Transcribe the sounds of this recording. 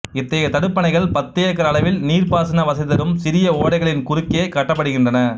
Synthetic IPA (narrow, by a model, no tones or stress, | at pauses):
ɪt̪ːɐjɐt̪ɐɽɯpːɐnɐɪɣɐɭpɐt̪ːɪjɐkːɐɾɐːɭɐʋɪlniːrpaːsɐnɐʋɐsɐɪðɐɾɯmsɪɾɪjɐoːɽɐɪɣɐɭɪnkʊɾɪkːeːkɐʈːɐpːɐɽɯɣɪndrɐnɐ